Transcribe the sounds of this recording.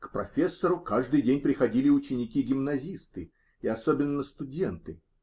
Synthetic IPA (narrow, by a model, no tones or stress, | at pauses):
kpɾɐfʲe̞sːəɾʊkaʐd̪ɨjdʲenʲpɾʲɪxɐdʲilʲɪʊt͡ɕːɪnʲɪkʲiɡʲɪmnɐzʲist̪ɨ | ɪɐsobʲɪnːəst̪ʊdʲent̪ɨ